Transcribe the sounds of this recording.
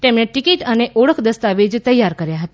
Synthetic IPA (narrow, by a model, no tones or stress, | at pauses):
ʈ̪emneʈikiʈəneʔɔɽəkʰd̪əst̪aʋid͡ʒt̪əjːaɾkəɾjaɦət̪a